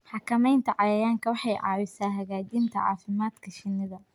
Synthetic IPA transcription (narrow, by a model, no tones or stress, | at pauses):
ħɑkʰɐmɛjnt̪ʰɐʕɑjɐjaːŋkʰɐwɑħɑjʕɑ̰ːwɪsaːɦɐɣaːd͡ʒint̪ʰɐʕɑ̰ːfɪmaːd̪kʰɐʃɪnːɪðɐ